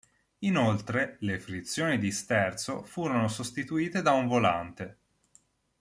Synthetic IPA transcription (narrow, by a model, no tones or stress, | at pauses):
inolt̪ɾelefɾit̪sːjoːnid̪ist̪ɛrt̪sofuːɾonosost̪it̪uiːt̪ed̪auɱvola̰nt̪e